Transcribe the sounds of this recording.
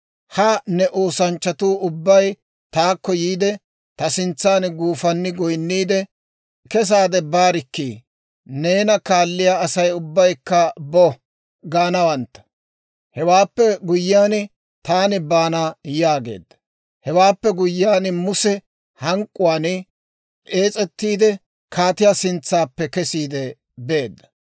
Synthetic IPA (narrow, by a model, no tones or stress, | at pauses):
hɐnɛʔoːsɐnt͡ʃːɐt̪uːʊbːɐj | t̪aːkːɔjiːd̪ɛ | t̪ɐsɪnt͡sːaːnɡuːfɐnːɪɡɔjnːiːd̪ɛ | kɛs̬aːd̪ɛbaːɾɪkːiː | ne̞ːnɐkaːlːɪjaːɐsɐjʊbːɐjkːɐbɔ | ɡaːnɐwɐnt̪ːɐ̥ | hɛwaːpːɛɡʊjːaːnɪ | t̪aːnɪbaːnajaːɡe̞̰ːd̪ːɐ̥ | hɛwaːpːɛɡʊjːaːnmʊsɛ | hɐŋkʼːʊwaːn | ʔe̞ːt͡sʼɛt̪ːiːd̪ɛ | kʰaːt̪ɪjasɪnt͡sːaːpːɛkɛsiːd̪ɛ | be̞ːd̪ːɐ̥